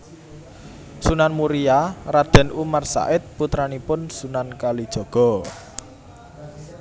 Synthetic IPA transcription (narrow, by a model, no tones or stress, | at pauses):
sunanmuɾijarad̥ɛ̤nʔumarsa̰ʔɪt̪̚put̪ɾanipʊnsunankalid̥ʒ̥ɔ̤ɡ̥ɔ̤